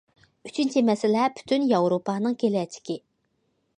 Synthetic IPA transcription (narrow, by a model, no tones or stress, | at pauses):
yt͡ʃʰynt͡ʃʰimɛsɪlɛpʰy̥t̪ʰynjɑwɾopʰɑːnɨŋkʲelɛt͡ʃʰi̥kʲi